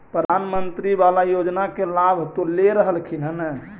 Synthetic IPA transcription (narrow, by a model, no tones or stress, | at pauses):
pɾəd̪ʱanmənt̪ɾibalajod͡ʒnakelabʱt̪oleɾəɦəlkʰinənə